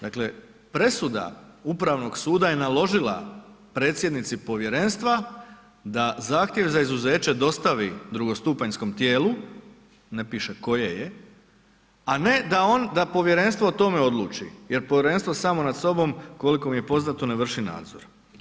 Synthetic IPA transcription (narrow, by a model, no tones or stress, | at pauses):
d̪akle̞ | pɾe̞sud̪a̰upɾaʋno̞ɡsuːd̪aje̞nalˠo̞ʒila̰pɾe̞ːt̪sjed̪nit̪sipo̞ʋje̞ɾe̞nst̪ʋa | d̪azaːxt̪je̞ʋzaizuze̞ːt͡ɕe̞d̪o̞st̪aʋid̪ɾuɡo̞st̪uːpaɲsko̞mt̪je̞ːlu | nepiːʃeko̞jeje | ane̞d̪ao̞nd̪apo̞ʋje̞ɾe̞nst̪ʋoːt̪o̞me̞o̞d̪lˠṵːt͡ʃḭje̞ɾpoʋjeɾe̞nst̪ʋosaːmo̞nad̪so̞bo̞mko̞likomije̞po̞znat̪oneʋr̩ʃina̰ːd̪zoɾ